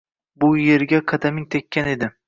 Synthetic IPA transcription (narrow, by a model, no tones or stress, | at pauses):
bʊje̞ɾɡʲaqʰɑd̪amɪŋt̪ʰekʲʰːane̞d̪ɪ